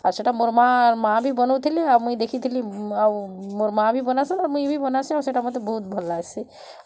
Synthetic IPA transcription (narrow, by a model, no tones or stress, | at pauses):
aɾseʈamoɾmaɾmãbʱibənot̪ʰiliamuĩd̪ekʰit̪ʰiliawmoɾmãbʱibənasənaɾmũĩbʱibənasĩawseʈamət̪̬ebɔɦut̪̚bʱəlːasi